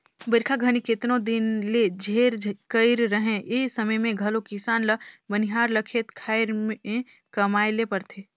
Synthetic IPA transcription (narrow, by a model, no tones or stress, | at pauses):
bɪɾkʰaɡʱɐnikɪt̪nõd̪ɪnled͡ʒʱeːɾkəɪɾɾəɦẽeːsɐməjmẽɡʱɐlokɪsaːnləbəniɦaːɾlɐkʰet̪kʰaːɪɾmẽ | kɐmaːjlepɐɾt̪ʰeː